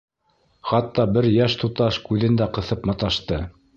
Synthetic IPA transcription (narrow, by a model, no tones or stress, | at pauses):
χɑt̪ːɑbɘɾjæʃt̪ut̪ɑʃkʉðɘ̆nd̪æqɤ̆θɤpmɑt̪ɑʃt̪ɤ